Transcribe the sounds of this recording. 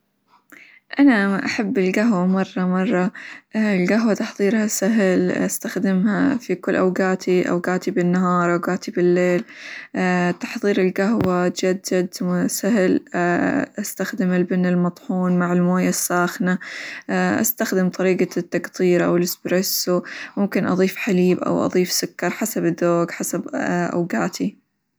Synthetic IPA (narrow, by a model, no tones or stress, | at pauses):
ʔanaʔaħabːɪlɡaɦwamɑrˤːɑmɑrˤːɑ | lɡaɦwat̪ɑħðˤiːɾhasaɦlʔast̪axd̪ɪmha̰fikʊlːʔawɡaːt̪ʰiʔa̰wɡaːt̪ibɪnːaɦɑːɾˤʔawɡaːt̪ibɪlːeːlː | t̪ɑ̥ħðˤiːɾɪlɡaɦwat̪d͡ʒad̪d͡ʒad̪sahl | ʔast̪axd̪ɪmɪlbɪnːɪlmɑt̪ˤħuːnmaʕɪlmoːjasːaːxna | ʔa̰st̪axd̪ɪmt̪ˤɑɾiːɡat̪ːakt̪ˤiːɾʔa̰wɪlɪsbɾesumʊmkɪnʔɑ̰ðˤiːfħaliːbʔa̰wʔɑ̰ðˤiːfsʊkːɑɾˤħasabɪd̪oːɡħasabʔa̰wɡaːt̪ʰi